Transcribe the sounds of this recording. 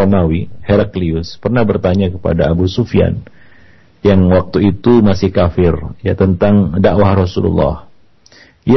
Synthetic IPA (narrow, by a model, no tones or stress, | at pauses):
ɔmawiheɾakliʊspərnahbərt̪aɲakəpa̰daabusufia̰n | jaŋwak̚t̪uit̪umasɪhkafɪrjat̪ənt̪aŋdaʔwahrɔsulṵlːɑ̰h | i